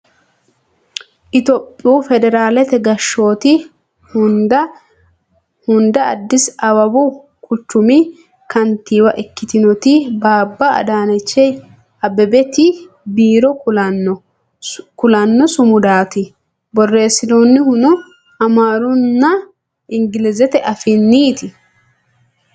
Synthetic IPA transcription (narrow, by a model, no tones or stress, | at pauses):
ʔɪt̪ɔpʼːuːfɛd̪ɛɾaːlɛt̪ɛɡɐʃːo̞ːt̪ɪ | hʊnd̪ɐ | hʊnd̪ɐ̰ːd̪ːɪsɐwɐbu | kʼʊt͡ʃːʊmɪ | kɐnt̪iːwɐʔɛkːɪt̪ɪnɔt̪ɪbaːbːɐɐ̰d̪aːnɛt͡ʃːɛj | ɐbɛbɛt̪ɪ | biːɾɔkʊlɐn | kʊlɐnːɔsʊmʊd̪aːt̪ɪ | bɔrːe̞ːsɪd̪oːnːɪhʊnʊ | ɐmaːɾʊnːɐ | ɪŋɡɪlɪzɛt̪ɛʔɐfɪnːiːt̪ɪ